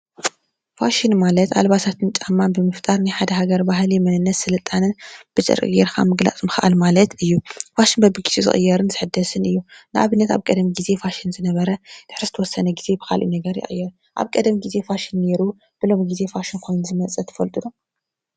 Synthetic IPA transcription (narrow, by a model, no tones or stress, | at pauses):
faʃinmalɐt̪a̰lbasat̪ʰɨnt͡ʃʼamːanbɨmɨft̪ʼaɾnajħad̪ɐɦaɡɐɾbaɦlimɐnɨnːɐt̪sɨlɨt̪ʼːanɨnb̥ɨt͡ʃʼɨ̰ɾʼɨ̰ɡeɾkʰa̰mɨɡla̰t͡sʼmɨxʔa̰lmalɐt̪ɨjːufaʃinbɐbɨɡiz̥ezɨ̰χʼɨ̰jːɐɾɨnzɨħɨd̪ːɐsɨnɨjːunɨʔa̰βɨnːɐt̪aβkʼɐd̪miɡize̞faʃinzɨnɐβɐɾɐd̥̪ɨ̥ħɾɨzɨt̪ʰɐwɔsːɐnɐɡiz̥e̞bɨkʰa̰lʔṵnɐɡɐɾjɪ̰χʼɨjːɛɾ | ʔa̰βkʼɐd̪ɐmiɡize̞faʃinːe̞ɾu | b̥ɨlo̞miɡize̞faʃinkʰojnuzɨmɐt͡sʼɐt̪ʰɐ̥fɐlt̪ʼɨd̪u